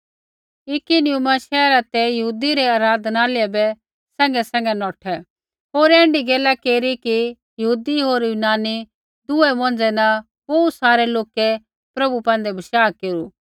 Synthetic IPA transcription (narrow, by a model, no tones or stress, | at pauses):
ɪkinɪjumaʃɛːɾat̪ɛjɐɦuːd̪iɾɛaːɾaːd̪ʱnaːlɪɛbɛ | sɛ̃ːŋɡɛsɛ̃ːŋɡɛnɔːʈʰɛ | ɦoːɾɛ̃ːɳɖiɡɛːlakeːɾiki | jɐɦuːd̪iɦoːɾjuːnaːni | d̪ʊɛmɔ̃nd͡zɛnɐ | bɐusaːɾɛloːkɛ | pɾɐbupɛ̃ːn̆d̪ɛbʱɐʃaːkeːɾu